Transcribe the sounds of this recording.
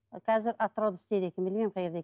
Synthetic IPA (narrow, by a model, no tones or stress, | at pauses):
qʰæzɪɾʔɑt̪ːɾɑwd̪əst̪ed̪ekʲʰɪmbɪlmejmqʰɑjeɾd̪e